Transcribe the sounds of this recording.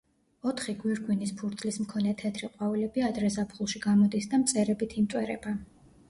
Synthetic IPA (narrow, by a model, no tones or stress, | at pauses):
ɔt̪ʰχiɡwiɾɡwinispʰuɾt̪ʰlismkʰɔnɛt̪ʰɛt̪ʰɾiqʼwaulɛbiad̪ɾɛzapʰχulˠʃiɡamɔd̪isd̪amt̪sʼɛɾɛbit̪ʰimt̪ʼwɛɾɛ̰b̥a